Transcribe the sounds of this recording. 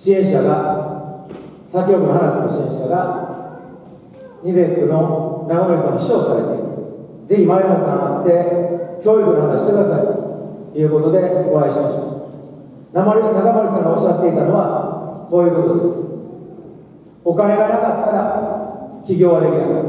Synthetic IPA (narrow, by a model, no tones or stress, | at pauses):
ɕiẽɰ̃ɕaɡa | sãŋkʲːo̞ːkɯnoɦanasɨnoɕiẽ̞ɕaɡa | ɲ̟izet̪ɯno̞naɡamaɾisãoɕi̥ɕoːsaɾe̞̰t̪e̞̰iɾɯ | d͡ze̞çimainosãat̪t̪ekʲo̞ːikɯnoɦanaɕi̥t̪kɯd̪asait̪o | jɯːko̞t̪o̞d̪e̞o̞aiɕimaɕi̥t̪ḁ | namoɾʲiinaɡamoɾʲisãŋɡaoɕiat̪ːe̞it̪ano̞βako̞ːjɯ̟ːko̞t̪o̞d̪esɨ̥ | o̞kaɾe̞ɡanakat̪ːaɾa | kʲiɡʲo̞ːɡad̪e̞kʲiɾɯ̟